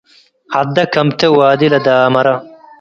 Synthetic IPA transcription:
hɐd̪ɐkɐmt̪ewaːd̪ilɐd̪aːmɐɾɐ

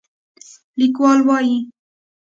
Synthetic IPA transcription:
lɪkwɑːlwɑːji

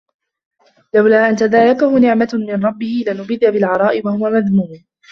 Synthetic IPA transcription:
lawlaːʔant̪aðaːɾakahʊnɪʕmamɪnɾˤɑbːɪhɪlanʊbɪd̪abɪlʕɑɾˤɑːʔɪwahʊwamaðmuːm

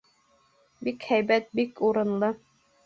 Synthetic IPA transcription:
bikhæjbæt̪̚bikuɾɤ̆nlˠɤ

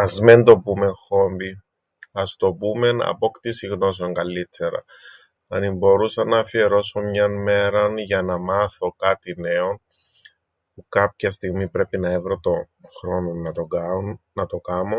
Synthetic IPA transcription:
ɐzme̞nd̪o̞pume̞ŋxo̞mbi | ɐst̪o̞pume̞nɐ̰po̞kt̪isiɣno̞s̬eo̞ŋɡɐlːit̪ːe̞ɾɐ̰ | ɐnimbo̞ɾusɐnːɐːfie̞ɾo̞somɲɐnme̞ɾɐnʝɐnɐmɐθo̞kɐt̪ine̞o̞n | pukɐp̚çɐst̪iɣmipɾe̞pinɐevɾo̞t̪o̞ | xɾo̞nonɐonɐt̪o̞kɐmo

